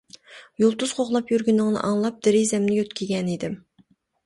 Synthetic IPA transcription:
julˠt̪uz̥qʰoχlˠɑpjyɾɡʲynɪŋnɨ̰ʔɑŋlˠɑp̚d̪̥ɪɾizɛmnɪjøt̪kʲʰiɡʲɛnid̪ɪm

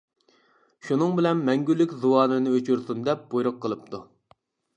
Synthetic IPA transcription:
ʃunɨŋbɪlɛnmɛŋɡʲylːɪkʲzuwɑːnɨnɨøt͡ʃʰyɾsund̪ɛp̚b̥ojɾʊqʰːəlˠɨp̚t̪ʰu

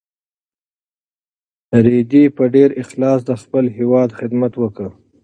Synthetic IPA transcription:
ɾed̪ipəɖeɾɪxlɑs̬d̪əxpəlɦewɑd̪xɪd̪mat̪wəkə

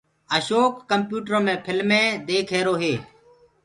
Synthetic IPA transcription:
əʃoːkːəmpjuːʈəɾõːmẽːpʰɪlmẽːd̪eːkʰɦeːɾoːɦeː

